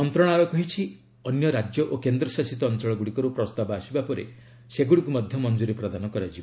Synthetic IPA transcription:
ɔnt̪ɾɔɽ̃abɔkɔɦit͡ʃʰi | ɔnjɔɾad͡ʒjɔʔokend̪ɾɔsasit̪ɔːnt͡ʃɔɭɔɡuɽikɔɾupɾɔst̪abɔasibapɔɾḛ | seɡuɽikumɔd̪ʱjɔmɔnd͡ʒuɾipɾad̪anɔkɔɾad͡ʒʰib

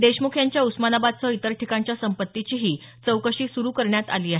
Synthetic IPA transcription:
d̪eɕmukʰjaɲt͡ɕjausmanabad̪̚t͡səit̪əɾʈʰikaɲt͡ɕjasəmpət̪ːit͡ɕiːɦiː | t͡səwkəɕiːsuɾuːkəɾɳjat̪a̰liːaɦe

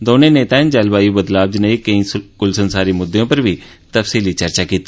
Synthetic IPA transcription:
d̪oːnẽːneːt̪aːnd͡ʒəlbaːjubəd̪laːbd͡ʒnəiːkə̃ĩkʊlsənsaːɾiːmʊd̪ːejõːpəɾʋiː | t̪əfsiːliːt͡ʃəɾt͡ʃaːkiːt̪iː

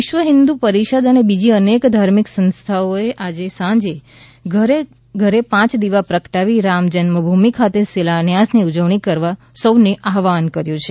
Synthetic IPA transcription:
ɪʃʋəɦɪnd̪upəɾiʃəd̪ənebid͡ʒiənekd̪ʱaɾmiksə̃nst̪ʰaoeʔad͡ʒesãd͡ʒe | ɡɾe | ɡʱəɾepãt͡ʃd̪iʋapɾəkʈaʋiɾamd͡ʒənməbʱumikʰat̪esilanjasniud͡ʒəʋɳ̃ikəɾʋa | səwneʔaɦʋankəɾjũt͡ʃʰe

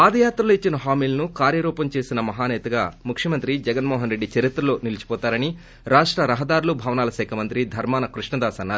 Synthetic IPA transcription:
paːd̪ɐjaːt̪ɾɐluit͡ʃːinɐɦaːmiːlɐnukaːɾjɐɾuːpɐmt͡ʃe̞ːsinɐmɐɦaːnɛːt̪ɐɡaːmukʂjɐmɐnt̪ɾid͡ʒɛɡɐnmɔːɦɐnɾeɖːit͡ʃɐɾit̪ɾɐlo̞ːnilit͡ʃi̥pɔːt̪aːɾɐni | ɾaːʂʈɾɐɾɐɦɐd̪aːɾulubʱɐːʋɐnaːlɐʃɛːkʰɐmɐnt̪ɾid̪ʱɐɾmaːnɐkɾuʂɳɐd̪aːsɐnːaːɾ

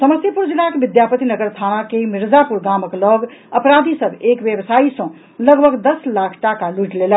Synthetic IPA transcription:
səməsjəpuɾd͡ʒilakebid̪japət̪inəɡəɾt̪ʰanakemiɾd͡ʒapuɾɡaməklɔɡəpɾad̪ʱisəbʱekbjebsaisə̃ | ləɡbʱəɡd̪əslakʰʈakaluʈlelə

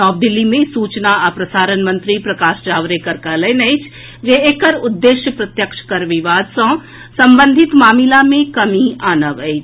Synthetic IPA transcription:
ɔːb̚d̪ɪlːimẽsuːt͡ʃnaapɾɐsaːɾənmə̃nt̪ɾipɾɐkaːʃd͡ʒaːʋɾekɐɾkələjnɐjt͡ʃʰ | d͡ʒeeːkəɾʊd̪ːeːʃjəpɾɐt̪jəkʃkɐɾʋɪʋaːd̪sɐ̃ː | sɐ̃mbə̃nd̪ʱɪt̪maːmɪlamẽkɐmiaːnəʋəɪt͡ʃ

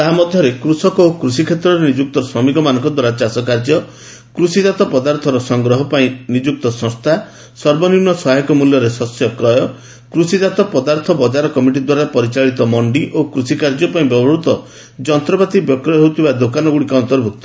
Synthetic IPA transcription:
t̪aɦamɔd̪ʱjɔɾekɾusɔkɔokɾusikʰet̪ɾɔɾenid͡ʒuk̚t̪ɔswɔmikɔmanɔŋkɔd̪waɾat͡ʃasɔkaɾd͡ʒɔ | kɾusid͡ʒat̪ɔpɔd̪aɾt̪ʰɔɾɔsɔŋɡɾɔɦɔpaĩnid͡ʒuk̚t̪ɔsɔ̃st̪ʰa | sɔɾbɔniɾnɔsɔɦajkɔmuljɔɾesɔsjɔkɾɔjɔ | kɾusid͡ʒat̪ɔpɔd̪aɾt̪ʰɔbɔd͡ʒaɾɔkɔmiʈid̪waɾapɔɾit͡ʃaɭit̪ɔmɔɳɖiʔokɾusikaɾd͡ʒɔpaĩbjɔbɦɔɾut̪ɔ | d͡ʒɔnt̪ɾɔbat̪ibjɔkɾɔjɔɦewt̪ʰibad̪okanɔɡuɽikɔɔnt̪ɔɾbʱuk̚t̪ɔ̥

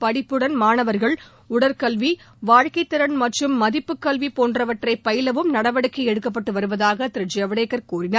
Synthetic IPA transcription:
pɐɽɪpːɯɽɐnmaːnɐʋɐɾɣɐɭ | ʊɽɐɾkɐlʋi | ʋaːɻkɐɪt̪ːɪɾɐnmɐʈrɯmːɐðɪpːɯkːɐlʋipoːndrɐʋɐʈrɐɪpːɐjɪlɐʋɯmnɐɽɐʋɐɽɯkːɐɛɽɯkːɐpːɐʈːɯʋɐɾɯʋɐðaːɣɐt̪ɪɾɯd͡ʒɛʋɐɽeːkːɐɾkuːrɪnaː

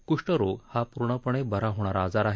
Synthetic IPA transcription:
kuʂʈəɾoɡhapuɾɳəpəɳebəɾaɦoɽ̃aɾad͡zaɾaɦe

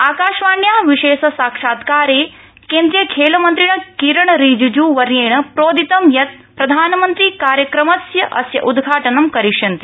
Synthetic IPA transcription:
aːkaːʃʋaːɳjaːʋiʃeːʃɐsaːkʂaːt̪kaːɾeː | kẽːnd̪ɾiɐkʰeːlɐmɐnt̪ɾiɳ̃ɐkiɾɐɳɾiːd͡ʒud͡ʒuːʋɐɾjeːɳɐpɾoːd̪it̪ɐmjɐt̪̚ | pɾɐd̪ʱaːnɐmɐnt̪ɾiːkaːɾjɐkɾɐmɐsjɐʔɐ̰sjɐ̰ʔud̪ɡʱaːʈɐnɐmkɐɾiʃɐnt̪i̥

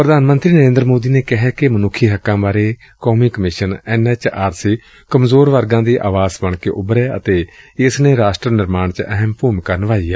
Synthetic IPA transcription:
pɾəd̪aːnmə̃nt̪ɾiːnəɾẽːnd̪ɾmoːd̪iːneːkɪɦɛːkemənʊkʰːiːɦəkːãːbaːɾeː | kɔːmiːkəmɪʃənɛːnɛːt͡ʃaːɾsiː | kəmzoːɾʋəɾɡãːd̪iːʔa̰ːʋaːzbəɳkeːʔʊbɾɛːə̰t̪eːɪsneːɾaːsʈɾənɪɾmaːɳt͡ʃʔəɛɦəmpuːmkaːnəʋaːiːɛː

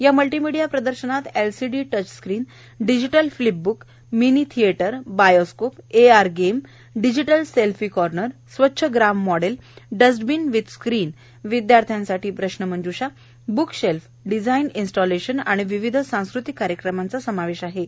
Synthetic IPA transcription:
jaməlʈimiɽijapɾəd̪əɾɕənat̪elsiɖiʈət͡ɕskɾiːn | ɖid͡ʑiʈəlflip̚buk | minit̪ʰieʈəɾbajoskopeaɾɡem | ɖid͡ʑiʈəlselfiːkɔɾnəɾsʋətːɕʰəɡɾamːɔɽelɖəsʈbinʋid̪skɾiːn | ʋid̪jaɾt̪ʰjãnsaʈʰiːpɾəɕnəməɳd͡ʑuɕa | bukɕelf | ɖid͡zaininsʈɔleɕəna̰ɽ̃iʋiʋid̪ʱsãw̃skɾut̪ikːaɾjəkɾəmant͡sasəmaʋeɕaɦe

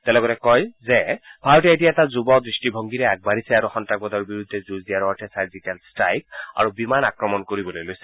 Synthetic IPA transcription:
tɛlɔɡɔtɛkɔjzɛbʱaɹɔtɛetijaɛtazubɔdɹistibʱɔŋɡiɾɛaɡ̚baɹisɛaɹuxɔntɹaɡ̚bɔd̪ɔɹbiɹud̪ʱːɛzuzdijaɹɔtʰɛsaɹzikɛlstɹajk̚a̰ɹubimanakɹɔmɔnkoɹibɔlojlojsɛ̥

